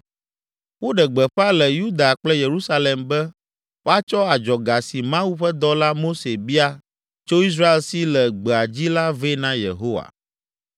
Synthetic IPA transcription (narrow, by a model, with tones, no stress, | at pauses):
wo˦ɖɛ˨ɡ͡bɛ˨ɸa˦lɛ˨ju˦d̪a˨k͡plɛ˦je˨ɾu˦sa˦le˨mbɛ˦ | wo˦a˦t͡ʃɔ˦a˨d͡ʒɔ˨ɡa˨si˨mã˦wu˦ɸɛ˦d̪ɔ˦la˦mo˦se˨bi˦a˦ | t͡ʃo˦i˦s̬ɾa˦e˨lsi˦lɛ˨ɡ͡bɛ˨a˨d͡ʑi˦la˦ve˦nã˦jḛ˨ɦo˦wa̰˨